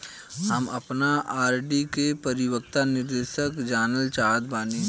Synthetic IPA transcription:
ɦɐmɐpnaaːɾɖikepɐɾɪwək̚t̪anɪɾd̪eːʃəkd͡ʒaːnəlt͡ʃaːd̪̚baːni

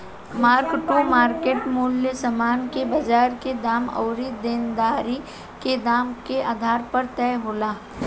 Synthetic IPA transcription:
maːɾkʈomaːɾkeːʈmʊljəsɐmaːnkebɐd͡ʒaːɾked̪aːmɔ̰ːɾid̪ɪnd̪aːɾi | ked̪aːmkeʔaːd̪ʱaːɾpɐɾt̪ɛːɦoːlaː

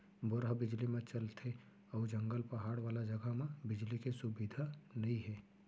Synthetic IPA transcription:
bʊɾɦbɪd͡ʒlimẽt͡ʃɐlt̪ʰe | ɔːd͡ʒɐ̃ŋɡəlpɐɦaːɽʋaːlad͡ʒɐɡəɦmẽbɪd͡ʒlikesʊbid̪ʱanɐɦĩɦɛː

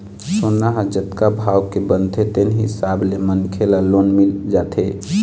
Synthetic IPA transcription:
sonːaɦad͡ʒət̪kabʱaːwkebənt̪ʰet̪enɦɪ̰sablemənkʰelalonmild͡ʒaːt̪ʰe

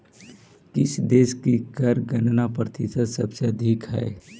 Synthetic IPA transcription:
kɪsd̪eːʃkikəɾɡənnapɾt̪ʰisəd̪sɐ̰bseɐd̪ʱikɦɛ̰ː

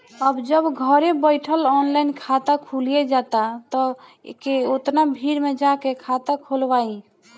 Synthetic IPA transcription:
əbd͡ʒəbɡʱəɾebəjʈʰəlɔnlajnkʰat̪akʰulied͡ʒat̪at̪ə̰keot̪nabʱiɾmed͡ʒakekʰat̪akʰolbai

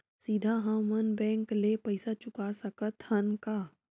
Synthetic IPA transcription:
siːd̪ʱaɦãmɐnbɛ̃ːŋkleːpɐɪsat͡ʃʊkasɐkət̪hɐnkaː

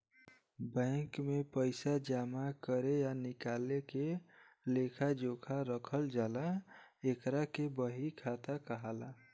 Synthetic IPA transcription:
bə̃ŋkmepəɪsad͡ʒamakəɾejanɪkaleke | lekʰad͡ʒokʰaɾəkʰəld͡ʒalaekɾakebəɦikʰat̪akəɦala

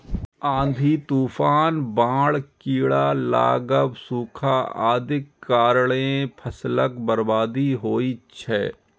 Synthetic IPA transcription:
ãːnd̪ʱit̪uːfaːnbãːɽkiːɽaːla̰ːɡəbsuːkʰaːa̰ːd̪ɪkːaːɾɭepʰəsləkbəɾbaːd̪iɦoːit͡ʃʰɛː

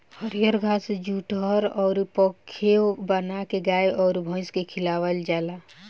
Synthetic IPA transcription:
həɾijəɾɡʱasd͡ʒuʈəɾɔːɾpɔkʰːebənakeɡaːjʔɔːɾbʱɔ̃ɪ̃skekʰilaːʋəld͡ʒaːla

